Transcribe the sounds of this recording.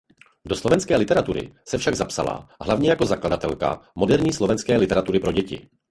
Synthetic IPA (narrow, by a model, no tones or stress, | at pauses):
do̞slovɛnskɛːlɪt̪ɛɾat̪uɾɪ̰sɛfʃaɡzapsa̰la̰ɦlavɲɛjako̞zakladat̪ɛlka̰mo̞dɛɾɲiːslo̞vɛnskɛːlɪt̪ɛɾat̪uɾɪpɾo̞ɟɛcɪ̰